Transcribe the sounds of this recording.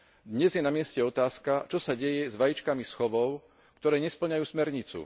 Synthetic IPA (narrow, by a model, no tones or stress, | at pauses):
d̪ɲɛzjɛnamɪɛscɛɔt̪aːskat͡ʃɔsaɟɛjɛzʋajit͡ʃkamisxɔʋɔʊ | kt̪ɔɾɛːɲɛspl̩ɲajuːsmɛɾɲit͡sṵ